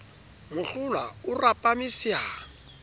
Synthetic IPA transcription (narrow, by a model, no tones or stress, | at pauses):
mʊɬʊlwaʊrapʼamisjaː